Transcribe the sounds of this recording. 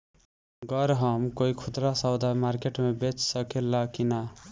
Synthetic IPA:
ɡʌɾɦʌmkoikʰud̪ɾasawd̪amaɾkeʈmebet͡ʃsəkelːakina

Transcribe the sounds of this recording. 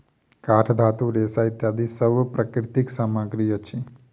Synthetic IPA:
kaːʈʰd̪ʱaːt̪uɾeːsait̪jad̪isəɾʋəpɾəkɾɪt̪iksaːmaɡɾijət͡ʃʰi

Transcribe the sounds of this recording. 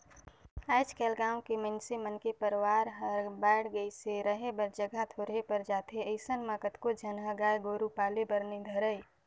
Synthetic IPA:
aɪt͡ʃkeːlɡãːkimə̃nsimənkepəɾwaːɾɦəɾbɛːɽɡəiseɾəɦebəɾd͡ʒəɡʱat̪ʰoːɾɦepəɾd͡ʒaːt̪eəɪsənmaːkət̪kod͡ʒʱənɦəɡaːjɡoːɾupaːlebəɾnid̪ʱəɾəj

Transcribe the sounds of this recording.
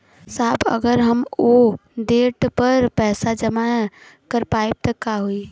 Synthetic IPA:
saːbʰɐ̰ɡəɾɦɐmoɖeːʈpɐɾpɛːsad͡ʒɐmakɐɾpaːeb̚t̪ɐkaɦui

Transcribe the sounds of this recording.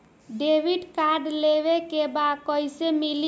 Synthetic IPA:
ɖeʋiɖkaɾɖleβekebad̪kəjsemil

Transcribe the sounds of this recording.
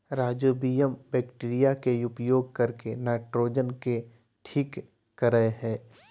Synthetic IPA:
ɾaːd͡ʒoːbiːjəmbɛːkʈiːɾijakeʊpjoːɡkɐɾkenaːʈɾoːd͡ʒənke | ʈʰiːkː | əɾəeɦɛː

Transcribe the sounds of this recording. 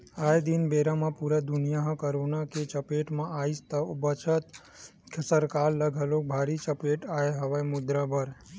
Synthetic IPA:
ajd̪inbeɾamãpuɾad̪unijaɦə̃kəɾonaket͡ʃəpeʈmãʔaist̪əbət͡ʃʰət̪ | kʰəsəɾkalːəɡʱəlok̚bʱaɾit͡ʃəpeʈajeɦəʋajmʊd̪ɾabəɾ

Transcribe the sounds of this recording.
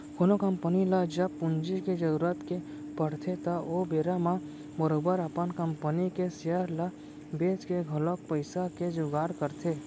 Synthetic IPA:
konokəmpənilad͡ʒɐpːʊnd͡ʒiked͡ʒəɾuɾət̪ke | pəɽ̤t̪ʰet̪aobeːɾamã | bəɾobəɾɐpənkəmpənikeseəɾla | beːt͡ʃkeɡʱəlok̚pəɪsaked͡ʒʊɡaːɾkəɾt̪ʰeː

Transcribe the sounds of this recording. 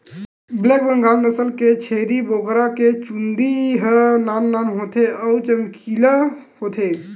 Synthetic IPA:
blek̚bəŋɡalnəsəlket͡ʃʰeɾibokɾaket͡ʃund̪iɦənanːanɦot̪ʰeəwt͡ʃəmkila | hot̪ʰe

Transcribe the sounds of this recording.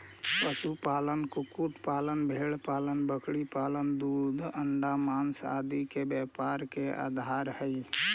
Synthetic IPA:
pəsupalənkukuʈpalənbʱeɭpalənbəkʰɽipalənd̪ud̪ʱəɳɖamansa̰d̪ikebɛpaɾkea̰d̪ʱaɾhəɪ

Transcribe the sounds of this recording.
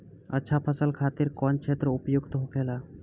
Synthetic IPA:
ə̰tːʃʰapʰəsəlkʰaːt̪ɪɾkɔnt͡ʃʰeːt̪ɾəʊpjʊɡt̪ɦokʰeːlaː

